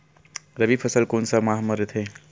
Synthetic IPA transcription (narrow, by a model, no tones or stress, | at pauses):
ɾəbipʰəsəlkonsəmaɦmɐɾet̪ʰe